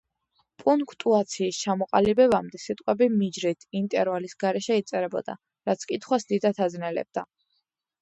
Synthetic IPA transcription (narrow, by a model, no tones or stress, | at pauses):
pʼuŋkʰt̪ʼuat̪sʰiːst͡ʃʰamɔqʼalibɛbamd̪ɛsit̪ʼqʼwɛbimid͡ʒɾit̪ʰint̪ʼɛɾvalisɡaɾɛʃɛit̪sʼɛɾɛbɔ̰d̪a̰ | ɾat̪sʰkʼit̪ʰχwasd̪id̪at̪ʰaznɛlɛ̰b̥̚d̪a